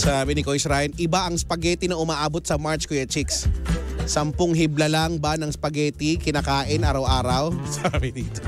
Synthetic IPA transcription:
sabɪnɪkoɪsɾajnʔɪbaʔɐŋspɐɡɛːt̪ɪnɐʔʊmaːʔaːbot̪̚sɐmaɹt͡ʃkojɐt͡ʃiks | sɐmpoŋɦiblɐlaŋbanɐŋspɐɡɛːt̪ɪkɪnaːkaːʔɪnʔaːɾɐwʔaːɾɐwsabɪd̪iːt̪o

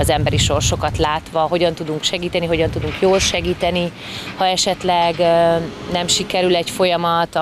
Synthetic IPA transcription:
ɒzɛmbɛɾiʃo̞rʃo̞kɒt̪laːt̪ʋɒɦo̞ɟɒn̪t̪ud̪uŋkʃɛɡiːt̪ɛniɦo̞ɟɒnt̪ud̪uŋkjoːlʃɛɡiːt̪ɛni | hɒɛʃɛt̪lɛɡnɛmʃikɛɾylɛcfo̞jɒmɒt̪

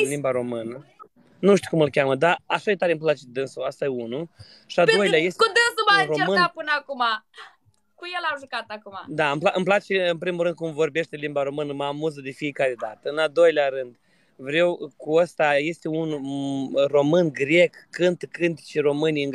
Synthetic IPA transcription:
limbaɾo̞mɨnə | nuʃt̪ikumɨlkʲaməd̪aaʃad̪et̪aɾemplat͡ʃed̪ɨnsuast̪ajeunu | ʃiald̪o̞jleajest̪eud̪ɨnsumaromɨnapɨnəakuma | kujelamʒukat̪akumad̪aɨmplaʔɨmplat͡ʃe̞ɨnpɾimulɾɨnd̪kumvo̞rbe̞ʃt̪elimbaɾo̞mɨnəmamuzəd̪e̞fije̞kaɾe̞d̪at̪əɨnald̪o̞jleaɾɨnd̪ | vɾe̞wkuəst̪aje̞st̪e̞un | ro̞mɨnɡɾʲe̞kːɨnt̪kɨnt̪i̥t͡ʃero̞mɨnijɨŋ

